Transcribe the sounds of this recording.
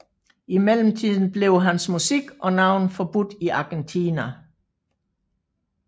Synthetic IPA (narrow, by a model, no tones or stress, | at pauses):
imel̰m̩t͡sʰið̞̰ˠn̩b̥le̝ʊɦænsmusiɡ̥ʔɒ̽nɑ̈ʊ̰nfɒ̽b̥ud̥iʔɑ̈ɡ̥ent͡sʰiːnæ